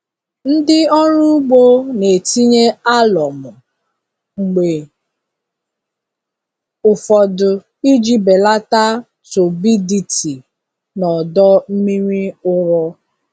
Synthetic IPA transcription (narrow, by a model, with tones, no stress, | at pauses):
n̩˦dɪ˦ɔ˦ɾʊ˦ɡ͡bo˦ne˨ti˦ɲe˦a˦lɔ˨mʊ˨ | ŋ͡m̩˨ɡ͡be˨ | ʊ˨fɔ˨dʊ˨ | i˦d͡ʒi˦be˨la˦ta˦ | so˨bi˦di˨ti˨ | nɔ˨dɔ˦m̩˦mi˦ɾʷi˦ʊ˦ɾɔ˦